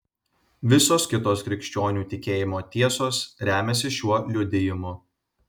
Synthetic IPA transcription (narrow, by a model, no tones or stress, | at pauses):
ʋʲɪsoːskʲɪt̪oːskɾʲɪkʃʲt͡ʃʲoːnʲuːt̪ʲɪkʲeːjɪmoːt̪ʲiɛsoːsɾʲæːmʲɛs̬ʲɪʃʲuɔlʲʊd̪ʲɪjɪmʊ